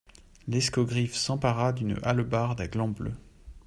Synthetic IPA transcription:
lɛskɔɡʁifsɑ̃paʁad̪ynalbaʁd̪ɛɡlɑ̃blø̰

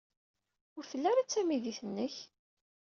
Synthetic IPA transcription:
ʊɾfəlːæɾat͡sːæmiðiθənːəç

